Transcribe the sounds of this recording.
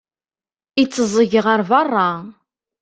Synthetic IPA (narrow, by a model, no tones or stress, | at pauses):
it͡sːəzˤəʝəʁəɾvɑrˤːɑ